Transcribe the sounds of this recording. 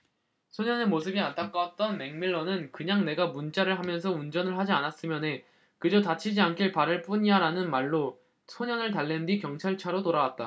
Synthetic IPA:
sʰoɲʌne̞mosʰɯbiant͈ʰak͈awat̚t͈ʌnmeŋmiɭːʌnɯnkɯɲaŋne̞ɡamunt͡ɕ͈aɾɯɭɦamjʌns̬ʰʌund͡ʑʌnɯɭhad͡ʑianas͈ɯmjʌne̞ | kɯd͡ʑotat͡ɕʰid͡ʑiankʰiɭpaɾɯɭp͈uɲiaɾanɯnmaɭːo | sʰoɲʌnɯɭtaɭːendwikjʌŋt͡ɕʰaɭt͡ɕʰaɾotoɾawat̚t͈a

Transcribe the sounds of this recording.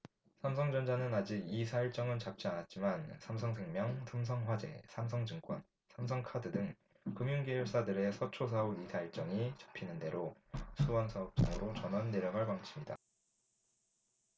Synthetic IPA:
sʰamsʰʌŋd͡ʑʌnd͡ʑanɯnad͡ʑiɡisʰaiɭt͡ɕ͈ʌŋɯnt͡ɕap̚t͡ɕ͈ianat̚t͡ɕ͈imansʰamsʰʌŋsʰe̞ŋmjʌŋtʰɯmsʰʌŋɸwad͡ʑe̞̰sʰams̬ʰʌŋd͡ʑɯŋk͈wʌn | sʰamsʰʌŋkʰadɯdɯŋ | kɯmjuŋɡejuɭs͈adɯɾe̞sʰʌt͡ɕʰos̬ʰauisʰaiɭt͡ɕ͈ʌŋit͡ɕḁpʰinɯnde̞ɾosʰuwʌnsʰaʌp̚t͡ɕ͈ʌ̰ŋɯɾot͡ɕʌnʌnːe̞ɾjʌɡaɭpaŋt͡ɕʰimɲida̰

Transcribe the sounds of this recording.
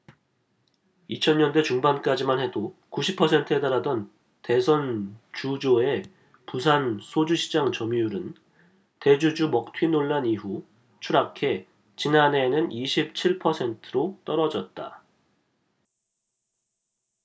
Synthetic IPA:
it͡ɕʰʌnɲʌndwe̞t͡ɕuŋbank͈ad͡ʑimanhe̞dokuɕʰipʰʌsʰe̞ntʰɯe̞taɾadʌn | te̞s̬ʰʌnt͡ɕud͡ʑoe̞ | pusʰansʰod͡ʑuɕʰi̥d͡ʑaŋt͡ɕʌmijuɾɯn | te̞d͡ʑud͡ʑumʌk̚tʰwinoɭːaniɦu | t͡ɕʰuɾakʰe̞ | t͡ɕinane̞nɯniɕʰip̚t͡ɕʰiɭpʰʌsʰe̞ntʰɯɾot͈ʌɾʌd͡ʑʌt̚t͈a

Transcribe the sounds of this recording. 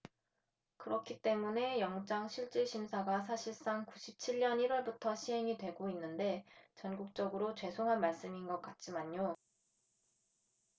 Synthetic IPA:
kɯɾʌkʰit͈e̞mune̞jʌŋd͡ʑaŋɕʰiɭt͡ɕ͈iɕʰimsʰaɡasʰaɕʰiɭs͈aŋkuɕʰip̚t͡ɕʰiʎːʌniɾwʌɭbutʰʌɕʰiɦe̞ŋidwe̞ɡoinːɯnde̞t͡ɕʌnɡuk̚t͡ɕ͈ʌɡɯɾot͡ɕwe̞sʰoŋɦanmaɭs͈ɯminɡʌk̚k͈at̚t͡ɕ͈imaɲɲo

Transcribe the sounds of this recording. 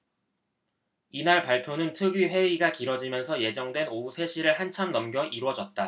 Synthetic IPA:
inaɭpaɭpʰjonɯntʰɯɡiɸe̞ɥiɡakiɾwʌd͡ʑimjʌnsʰʌje̞d͡ʑʌŋdwe̞nousʰe̞ɕʰiɾɯɭɦant͡ɕʰamnʌmɡjʌʔiɾwʌd͡ʑʌt̚t͈a

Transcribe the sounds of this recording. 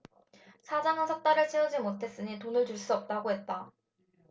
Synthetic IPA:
sʰad͡ʑaŋasʰʌk̚t͈aɾɯɭt͡ɕʰiʌd͡ʑimotʰe̞s͈ɯɲitonɯɭtuɭs͈uʌp̚t͈aɡoɦe̞t̚t͈a

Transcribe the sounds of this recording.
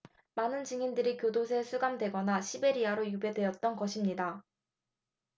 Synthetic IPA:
manɯnd͡ʑiŋindɯɾikjodosʰe̞sʰuɡamdwe̞ɡʌnaɕʰibe̞ɾiaɾojube̞dwe̞jʌt̚t͈ʌnɡʌɕʰimɲida

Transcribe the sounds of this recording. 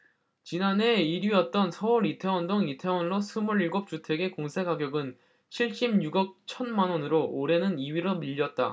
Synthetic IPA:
t͡ɕinane̞iɾjiʌt̚t͈ʌnsʰʌuɾitʰe̞wʌndoŋitʰe̞wʌnɭosʰumuɾiɭɡop̚t͡ɕ͈utʰe̞ɡe̞koŋsʰe̞ɡaɡjʌɡɯn | t͡ɕʰiɭɕ͈imɲuɡʌk̚t͡ɕʰʌnmanwʌnɯɾoʔoɾe̞nɯniɥiɾomiʎːʌt̚t͈a̰

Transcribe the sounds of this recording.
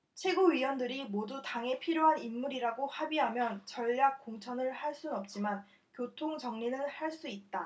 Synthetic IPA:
t͡ɕʰwe̞ɡuɥiwʌndɯɾimodutaŋe̞pʰiɾjoɦanimːuɾiɾaɡohabiɦamjʌnt͡ɕʌʎːak̚k͈oŋt͡ɕʰʌnɯɭhaɭs͈unʌp̚t͡ɕ͈iman | kjotʰoŋt͡ɕʌŋɲinɯɭhaɭs͈uit̚t͈a

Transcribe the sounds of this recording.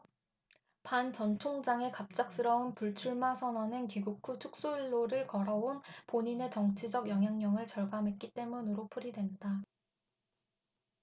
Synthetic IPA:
pant͡ɕʌnt͡ɕʰoŋd͡ʑaŋe̞kap̚t͡ɕ͈ak̚s͈ɯɾʌunpuɭt͡ɕʰuɭmasʰʌnwʌnɯnkiɡukʰːut͡ɕʰuk̚s͈oiɭːoɾɯɭkʌɾʌonpoɲine̞t͡ɕʌŋt͡ɕʰid͡ʑʌɡjʌŋɦjaŋɲʌŋɯɭt͡ɕʌɭɡamɦwe̞k͈it͈e̞munɯɾopʰuɾidwe̞nda

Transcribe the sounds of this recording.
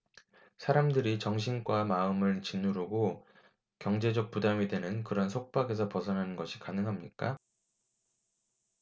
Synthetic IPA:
sʰaɾamdɯɾit͡ɕʌŋɕ̬ʰinɡwamaɯmɯɭt͡ɕinːuɾoɡo | kjʌŋd͡ʑe̞d͡ʑʌk̚pudamɥidwe̞nɯnkɯɾʌnsʰok̚p͈aɡe̞sʰʌpʌsʰʌnɦanɯnɡʌɕʰi̥kanɯŋɦamɲik͈a

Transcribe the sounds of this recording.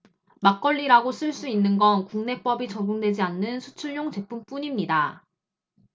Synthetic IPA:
mak͈ʌʎːiɾaɡos͈ʰɯɭs͈uinːɯnɡʌnkuŋne̞p͈ʌbit͡ɕʌɡjoŋdwe̞d͡ʑianːɯnsʰu̥t͡ɕʰuɭɲoŋt͡ɕe̞pʰump͈uɲimɲida

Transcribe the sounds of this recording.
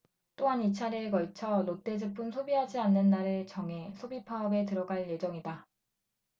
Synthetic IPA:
t͈oɦanit͡ɕʰaɾekʌɭt͡ɕʰʌnot͈e̞d͡ʑɯpʰunsʰobiɦad͡ʑianːɯnːaɾɯɭt͡ɕʌŋɦe̞sʰobipʰaʌbe̞tɯɾʌɡaɭje̞d͡ʑʌŋida

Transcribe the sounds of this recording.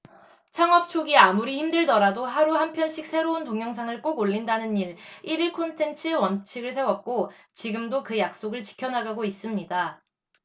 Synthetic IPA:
t͡ɕʰaŋʌp̚t͡ɕʰoɡiamuɾiçimdɯɭdʌɾadoɦaɾuhampʰjʌnɕ͈ʰik̚s͈ʰe̞ɾountoŋjʌŋsʰaŋɯɭk͈oɡoʎːindanɯniɾiɾiɭkʰontʰe̞nt͡ɕʰɯwʌnt͡ɕʰiɡɯɭs̬ʰe̞wʌk̚k͈ot͡ɕiɡɯmdokɯjak̚s͈oɡɯɭt͡ɕi̥kʰjʌnaɡaɡois͈ɯmɲida

